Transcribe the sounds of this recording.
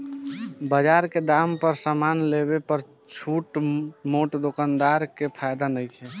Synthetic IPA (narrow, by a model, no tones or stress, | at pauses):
bəd͡ʒaɾked̪ampəɾsamaːnlebepəɾ | t͡ʃʰuːʈmoʈd̪okand̪aɾkepʰajd̪anəiɛ